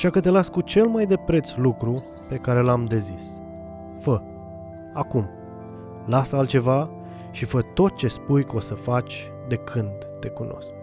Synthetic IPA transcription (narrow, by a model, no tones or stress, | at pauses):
aʃakət̪e̞laskut͡ʃe̞lmajd̪e̞pɾe̞t̪slukɾu | pe̞kaɾe̞lamd̪e̞zis | fə | akum | lasəalt̪t͡ʃe̞va | ʃifət̪o̞t̪̚t͡ʃe̞spujko̞səfat͡ʃʲ | d̪e̞kʰɨnd̪ːe̞kuno̞̰sk